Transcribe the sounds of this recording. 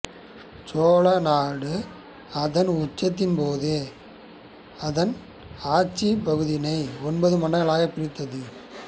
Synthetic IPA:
t͡ʃoːlɐnaːɽɯ | ɐðɐnʊt͡ʃːɐt̪̬ːɪnpoːðeː | ɐðɐn | aːt͡ʃipɐɣɯðɪnɐɪɔnbɐðɯmɐnɐɐɭaːɣɐpːɪɽɪt̪ːɐðɯ

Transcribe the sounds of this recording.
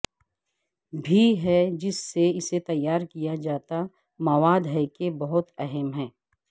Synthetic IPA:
bʱiɦɛd͡ʒɪsːeɪset̪ɐjːaːɾkijad͡ʒaːt̪a | mɐʋaːd̪ɦɛkebɐɦʊt̪ɛɦɛmɦɛː

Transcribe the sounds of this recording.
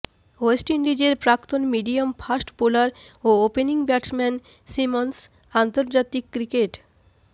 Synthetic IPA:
oesʈinɖid͡ʑeɾpɾakt̪onmiɖiomfʰasʈpulaɾoopeniŋbɛʈsmɛn | simons | ant̪oɾd͡ʑat̪ikːɾikeʈ

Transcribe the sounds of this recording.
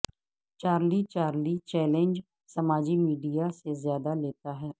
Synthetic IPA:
t͡ʃaːɾlit͡ʃaːɾlit͡ʃɛːlẽnd͡ʒ | sɐmaːd͡ʒimiːɖijasezjaːd̪aleːt̪aɦɛː

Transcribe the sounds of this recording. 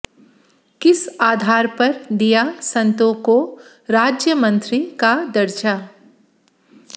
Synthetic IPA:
kɪsaːd̪ʱaːɾpɐɾd̪ijasɐ̃nt̪õːko | ɾaːd͡ʒjəmə̃nt̪ɾikad̪ɐɾd͡ʒaː

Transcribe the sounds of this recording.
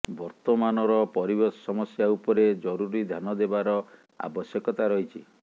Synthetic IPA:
bɔɾt̪ɔmanɔɾɔpɔɾibɔsɔmɔsjaupɔɾed͡ʒɔɾuɾid̪ʱjanɔd̪ebaɾɔ | a̰bɔsjɔkɔt̪aɾɔɦit͡ʃʰi

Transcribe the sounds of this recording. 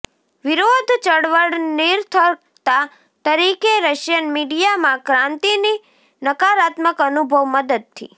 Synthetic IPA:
ʋiɾod̪ʱt͡ʃəɽʋəɽniɾt̪ʰəɾ | t̪a | t̪əɾikeɾəʃjənmiɖijamãkɾãnt̪ini | nəkaɾat̪məkənubʱəʋməd̪əd̪̚t̪ʰːḭ

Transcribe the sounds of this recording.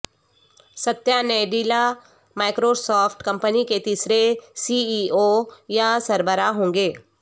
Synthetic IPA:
sət̪janeɖila | maːɪkɾosɔːfʰʈkə̃mpəniket̪iːsɾesiiojasəɾbəɾaɦõːŋɡeː

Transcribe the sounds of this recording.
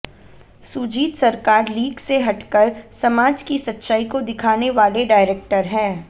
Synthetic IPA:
sud͡ʒiːt̪sɐɾkaːɾliːɡseɦɐʈkəɾsɐmaːd͡ʒkisɐtːʃaːikod̪ɪkʰaːneʋaːleɖaːɪɾeːk̚ʈəɾɦɛ̃ː

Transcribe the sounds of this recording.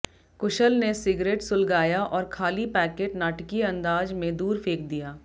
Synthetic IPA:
kʊʃəlnesɪɡɾeːʈsʊlɡaːjaʔɔːɾkʰaːlipɛːkeːʈnaːʈkiɐ̃nd̪aːd͡ʒmẽd̪uːɾfʰeːk̚d̪ijaː

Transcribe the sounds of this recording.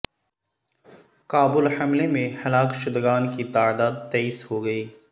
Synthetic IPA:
kaːbʊlhɐmlemẽhɐlaːkʃʊd̪ɡaːnkit̪aːd̪aːd̪̚t̪ɛːishoɡɐiː

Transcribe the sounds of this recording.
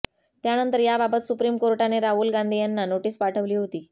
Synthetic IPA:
t̪janənt̪əɾjababət̪supɾiːmkoɾʈaneɾaɦuːlɡãnd̪ʱiːjanːanoʈiːspaʈʰəʋliːɦot̪iː

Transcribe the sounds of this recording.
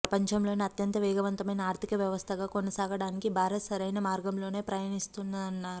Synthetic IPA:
pɾɐpɐɲt͡ʃɐmlo̞ːniɐt̪jɐnt̪ɐʋɛːɡɐʋɐnt̪ɐmɐjnɐaːɾt̪ikɐʋjɐʋɐst̪ʰɐɡaːko̞nɐsaːɡɐɽaːnikibʱaːɾɐsɐɾɐjnɐmaːɾɡɐmlo̞ːne̞ːpɾɐjaːnist̪unːaːɐnːaːɾu

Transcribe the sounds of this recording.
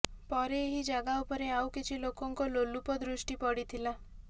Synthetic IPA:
pɔɾeːɦid͡ʒaɡaupɔɾeawkit͡ʃʰilokɔŋkɔlolupɔd̪ɾusʈipɔɽit̪ʰila

